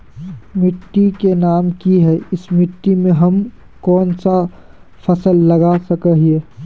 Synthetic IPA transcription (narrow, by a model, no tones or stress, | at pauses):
mɪʈːikenaːmkiɦɛɪsmɪʈːimẽɦɐm | kɔːnsa | fɐsəlːɐɡasɐkəɦieː